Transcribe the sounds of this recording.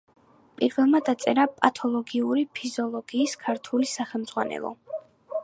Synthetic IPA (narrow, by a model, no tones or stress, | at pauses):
pʼiɾvɛlˠmad̪at̪sʼɛɾapʼat̪ʰɔlˠɔɡiuɾipʰizɔlˠɔɡiːskʰaɾt̪ʰulisaχɛmd̪zʁwanɛ̰lˠɔ̰